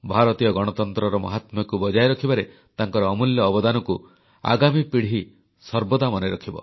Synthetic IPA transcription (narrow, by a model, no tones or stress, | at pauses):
bʱaɾɔt̪ijɔɡɔɽ̃ɔt̪ɔnt̪ɾɔɾɔmɔ̰ɦat̪mɔkubɔd͡ʒajɾɔkʰibaɾe | t̪aŋkɔɾɔːmuljɔːbɔd̪anɔku | a̰ɡamipiɽɦi | sɔɾbɔd̪amɔneɾɔkʰibɔ̰